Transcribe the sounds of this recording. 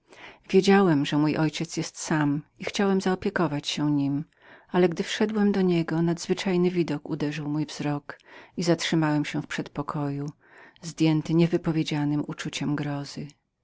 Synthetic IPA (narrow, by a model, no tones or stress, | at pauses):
vʲjed͡ʑawɛmʐɛmujʔɔjt͡ɕɛt̪sjɛst̪samixt͡ɕawɛmzaɔpʲjɛkɔvat͡ɕɕɛɲim | alɛɡd̪ɘfʂɛd̪wɛmd̪ɔɲɛɡɔnad̪zvɘt͡ʂajnɘvʲid̪ɔkud̪ɛʐɘwmujvz̥ɾɔkizatʂɘmawɛmɕɛfpʂɛt̪pɔkʰɔju | zd̪ʲjɛnt̪ɘɲɛvɘpɔvʲjed͡ʑanɘmut͡ʂut͡ɕɛmɡɾɔzɘ